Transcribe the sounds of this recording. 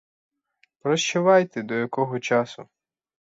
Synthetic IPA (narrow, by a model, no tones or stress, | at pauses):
pɾɔʃt͡ʃʊʋɑjt̪ɛd̪ɔjɐkɔɦɔt͡ʃɑsʊ